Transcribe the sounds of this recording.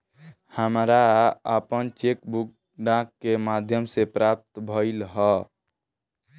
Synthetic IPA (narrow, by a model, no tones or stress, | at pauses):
həmɾaəpənt͡ʃekbuk̚ | ɖãkːemad̪ʱjəmsepɾap̚t̪bʱəɪlɦɔ